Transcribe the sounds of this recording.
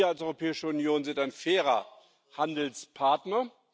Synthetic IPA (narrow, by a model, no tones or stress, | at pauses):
ɐalsʔɔʏʁopʰɛːɪʃəʊnjoːnzɪntaɪnfɛːʁɐ̰ | handl̩spʰaɐtnɐ